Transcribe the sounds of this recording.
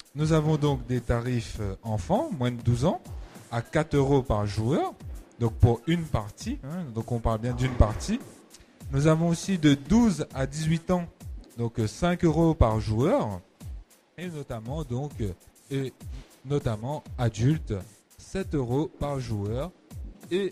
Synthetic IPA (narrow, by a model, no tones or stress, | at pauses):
nuzavɔ̃d̪ɔ̃kd̪et̪aʁiføɑ̃fɑ̃mwɛ̃d̪əd̪uzɑ̃akat̪χøʁopaʁʒuœːʁd̪ɔ̃k̚puʁynpaʁt̪iɛ̃d̪ɔ̃kɔ̃paʁlbjɛ̃d̪ynpaʁt̪i | nuzavɔ̃osid̪əd̪uzad̪izɥit̪ɑ̃d̪ɔ̃ksɛ̃køʁopaʁʒuœʁ | enɔt̪amɑ̃d̪ɔ̃k | e | nɔt̪amɑ̃ad̪ylt̪ | sɛt̪øʁopaʁʒuœʁe